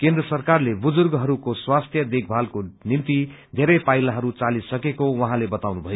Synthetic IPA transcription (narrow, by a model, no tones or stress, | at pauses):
kẽnd̪rʌsʌrkarlebud͡zurɡɦʌɾukoswast̪ʰjʌd̪ek̚ʰbʱalkonimt̪i | d̪ʱeɾʌjpajlaɦʌɾut͡salisʌkekowʌɦãlebʌt̪awnubʱʌjo